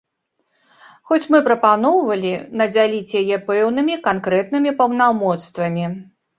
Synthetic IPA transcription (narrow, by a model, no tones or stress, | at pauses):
xɔt͡sʲmɨpɾɐpanɔwvɐlʲinɐd͡zʲalʲit͡sʲjajɛpɛwnɨmʲikankɾɛt̪̚nɨmʲipɐwnawmɔt̪st̪vɐmʲi